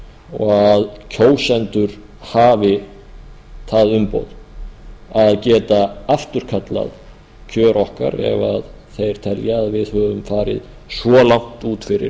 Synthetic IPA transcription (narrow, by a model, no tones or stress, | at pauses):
ɔɣaðcʰoːwsɛnt̪ʏɾ̥ | haːvɪ | θaðʏmpo̰wð | aðcɛːt̪aaft̪ʏɾ̥kʰat̪la̰ð | cʰœːɾɔhka̰ɾɛ̰vað | θejɾ̥t̪ʰɛljaːðvɪðhœːvʏmfaːɾɪð | svɔlawŋ̥t̪uːt̪fɪɾɪ̰ɾ